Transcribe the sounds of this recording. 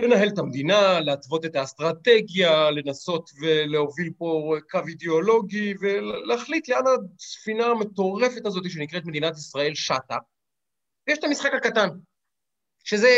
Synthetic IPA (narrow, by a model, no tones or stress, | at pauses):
le̞naɦe̞let̪amed̪inaleatvo̞t̪e̞t̪ast̪ʁat̪e̞ɡjale̞naso̞t̪ve̞leovilpo̞kavid̪eolo̞ɡive̞leaχlit̪leanasfinaːme̞t̪o̞ʁe̞fe̞t̪azo̞t̪̬iʃenikʁe̞t̪me̞d̪inat̪isʁae̞lʃata | vejeʃet̪amisχakhakatan | ʃe̞ze